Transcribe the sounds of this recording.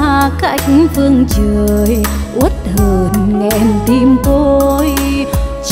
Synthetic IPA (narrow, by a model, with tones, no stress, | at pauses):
ka˧˥k̚vɨ˧əŋt͡ɕə˧˩j | ʔu˦˥ət̚t̪ʰə˨˩nŋɛ˧˩nt̪i˧˩mt̪o˧jt͡ɕ